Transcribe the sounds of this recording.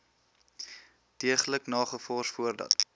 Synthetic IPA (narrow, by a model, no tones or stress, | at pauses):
diəχələknɑːχəfɔrsfuərdɐ̰t